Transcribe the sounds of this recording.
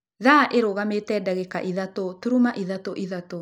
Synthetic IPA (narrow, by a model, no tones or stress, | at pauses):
ðaʔeɾoɣametɛdaɣɛkaʔiðatotuɾumaʔiðatoʔiðato